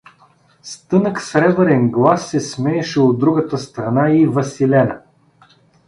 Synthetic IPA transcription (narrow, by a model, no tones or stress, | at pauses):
st̪ɤnəksɾɛbəɾɛnɡlˠasːɛsmɛːʃɛod̪̚d̪ːɾuɡət̪əst̪ɾɐnaivɐsilɛnə